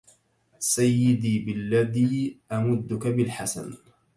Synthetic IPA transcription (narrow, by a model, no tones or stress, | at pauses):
sajːɪd̪iːbɪlːaðiːʔamʊd̪ːʊkabɪlħasa̰n